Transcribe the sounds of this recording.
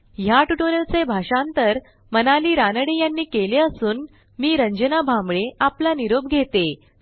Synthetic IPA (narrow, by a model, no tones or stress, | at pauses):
jaʈuʈoɾəlt͡sebʱaɕãnt̪əɾ | mənaliːɾanəɽejanːiːkeleəsuːn | miːɾəɲd͡ʑənabʱãmbɭeaplaniɾob̚ɡʱet̪e